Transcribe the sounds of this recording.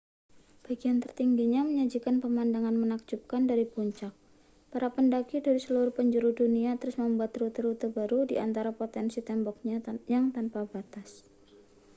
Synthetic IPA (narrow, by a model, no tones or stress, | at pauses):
b̥aɡiant̪ərt̪iŋɡiɲaməɲad͡ʒikanpəmandaŋanmənak̚d͡ʒup̚kandaɾipuɲt͡ʃak̚ | paɾapəndakidaɾisəluɾʊhpəɲd͡ʒuɾuduniat̪əɾʊsməmbuat̪rut̪ɾut̪əbaɾudḭʔant̪aɾapot̪ɛnsit̪ɛmbɔk̚ɲajaŋt̪anpabat̪as